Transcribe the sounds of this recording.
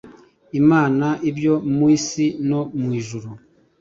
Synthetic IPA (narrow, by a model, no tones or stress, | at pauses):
imaːnaʔibjomwisinɔmwiʒuɾu